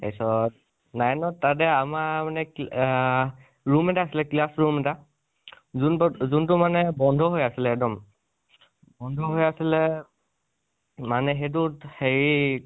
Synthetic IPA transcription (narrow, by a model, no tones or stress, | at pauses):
ḛsɔt | najnɔtːat̬ɛamamanɛ | ɹumɛtaːsilɛklasɹumɛta | zunzuntʊmanɛbɔndʱɔɦojasilɛɛdɔm | bɔndʱɔɦojasilɛ | manɛxet̬ʊtxeɹi